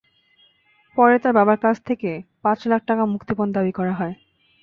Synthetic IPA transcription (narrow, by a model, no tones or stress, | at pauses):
pɔɾet̪aɾbabaɾkat͡ɕʰt̪ʰekepãt͡ɕlak̚ʰʈakamukt̪ipond̪abikɔɾaɦɔe